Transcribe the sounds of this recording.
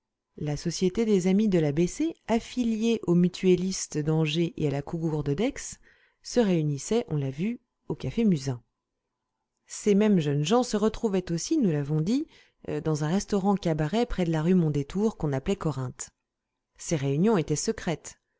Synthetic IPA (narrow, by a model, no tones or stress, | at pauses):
lasɔsjet̪ed̪ezamid̪əlabeseafiljeʔomyt̪ʰɥelist̪d̪ɑ̃ʒeʔḛalakuɡuʁd̪əd̪ɛksː | əʁeynisɛʔɔ̰̃lavy | okafemyzɛ̃ | semɛmʒənʒɑ̃səʁət̪χuvɛt̪osinulavɔ̃d̪i | d̪ɑ̃zɛ̃ʁɛst̪ɔʁɑ̃kʲabaʁɛpχɛd̪əlaʁymɔ̃d̪et̪ʰuʁkɔ̃naplɛkɔʁɛ̃t̪ | seʁeynjɔ̃et̪ɛsəkχɛt̪